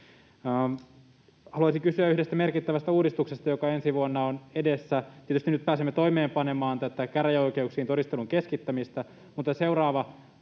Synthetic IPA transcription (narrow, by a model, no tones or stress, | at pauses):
hɑluɑˑisiŋkysyæyhdest̪æme̞rkit̪ːæʋæst̪æuːdist̪uksest̪ɑjokɑensiʋuonːɑonedesːæt̪iet̪yst̪inyt̪̚pæːsemːet̪oime̞ːmpɑnemɑːnt̪æt̪ækærjæoikeuksiːnt̪oɾist̪eluŋkeskit̪ːæmist̪æ | mut̪ːˑɑse̞urɑːʋɑ